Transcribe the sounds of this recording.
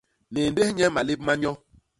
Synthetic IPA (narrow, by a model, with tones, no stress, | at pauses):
ne˨n˦de˦hɲɛ˦ma˨le˦p̚ma˦ɲɔ˦